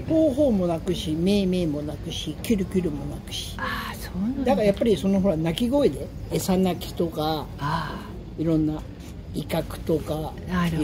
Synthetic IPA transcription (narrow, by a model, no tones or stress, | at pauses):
ko̞ːɦo̞ːmo̞nakɯ̟ɕime̞ːme̞ːmo̞nakɯ̟ɕikʲɨɾɯ̟kʲɨɾɯ̟mo̞nakɯ̟̥ɕi̥asod̪akaɾajapːaɾʲiso̞no̞ɦo̞ɾanakʲiɡo̞id̪e̞ː | sanakʲi̥t̪o̞ka | iɾõ̞nːa | ikakɯ̟̥t̪o̞ka